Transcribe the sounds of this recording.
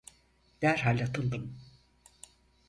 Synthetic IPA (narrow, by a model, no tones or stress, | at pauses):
d̪̥æɾɦalʲat̪ʰɯlˠd̪ɯm